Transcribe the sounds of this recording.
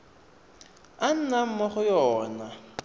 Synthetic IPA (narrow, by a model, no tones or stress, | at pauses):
an̩nam̩mɔχʊjɔːna